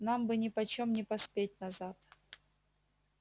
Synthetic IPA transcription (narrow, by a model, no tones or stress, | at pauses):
nambɨnʲɪpɐt͡ɕomnʲɪpɐspʲet̚ʲnɐzat̪